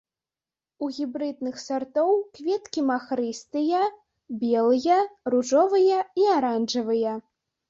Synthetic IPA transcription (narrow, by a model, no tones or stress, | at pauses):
uɣʲibɾɨd̪̚nɨxsart̪ɔwkvʲɛt̪kʲimaxɾɨst̪ɨjɐ | bʲɛlˠɨjɐruʐɔvɨjɐiaɾanʐɐvɨjɐ